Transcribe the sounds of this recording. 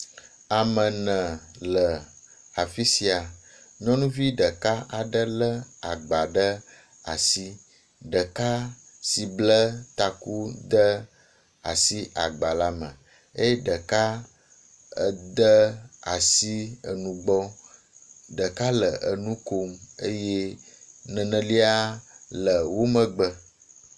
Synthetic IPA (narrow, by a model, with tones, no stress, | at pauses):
a˨mə̃˨nə̃˨lə˨ | a˨fi˦si˨a˨ɲɔ̃˦nũ˦vi˦ɖə˨ka˦ʔa˨ɖə˦lə˦a˨ɡ͡ba˨ɖə˦ | a̰˨si˦ | ɖə˨ka˦ | si˨blə˦t̪a˨ku˦d̪ə˦ | a̰˨si˦ʔa˨ɡ͡ba˨la˦mə̰̃˨ | e˦je˦ɖə˨ka˦ | ə˨d̪ə˦a˨si˦ə̰˨nũ˨ɡ͡bɔ˦ | ɖə˨ka˦lə˨ʔə˨nũ˦ko˨me˦je˦nə̃˨nə̃˨li˦a˦lə˨wo˦mə̃˨ɡ͡bə˦